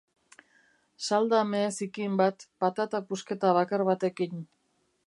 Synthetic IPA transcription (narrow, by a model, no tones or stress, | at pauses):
sald̪ameːsikimbat̪pat̪at̪apuske̞t̪aβakaɾβat̪e̞kin